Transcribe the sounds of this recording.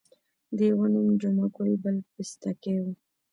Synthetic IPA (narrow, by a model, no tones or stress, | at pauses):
d̪əjawonumd͡ʒanakojbəlpɪst̪akewu